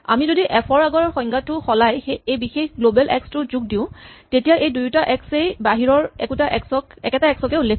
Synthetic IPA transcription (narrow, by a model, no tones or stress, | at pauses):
a̰mizodiʔɛpʰɔɹaɡɔɹxɔjŋɡatʊxɔlajxeejbixexɡlobɛlʔɛ̰kstʊzuɡ̚dĩʊ̃tetijaʔejdujtaʔɛksejbaɦiɹɔɹɛ̰kutaʔɛksɔkɛkɛtaɛksɔkɛule